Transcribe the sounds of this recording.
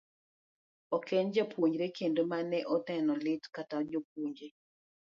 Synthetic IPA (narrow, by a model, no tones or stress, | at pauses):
ɔkend͡ʒapwuɲd͡ʒɾekendomanɛʔɔtɛnɔlɪtkatad͡ʒop̚uɲd͡ʒe